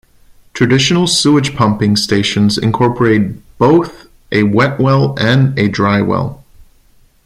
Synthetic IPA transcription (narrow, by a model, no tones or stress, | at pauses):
tʰɹ̥ɨdɪʃnl̩ˠsuɨ̥d͡ʒʒ̥pʰʌ̃mpɪ̃ŋsteɪʃɨ̃nzɨ̰̃nkʰɔɹpə˞eɪt̚b̥oʊθ | ʔɨwɛʔ̚wɛlˠɨ̃nɨdɹaɪwɛ̰lˠ